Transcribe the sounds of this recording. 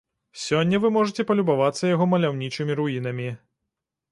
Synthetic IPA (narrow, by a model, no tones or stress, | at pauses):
sʲɔnʲːɐvɨmɔʐɨt͡sʲɛpɐlʲubavat̪sːɐjaɣɔmɐlʲawnʲit͡ʂɨmʲiɾuinɐmʲi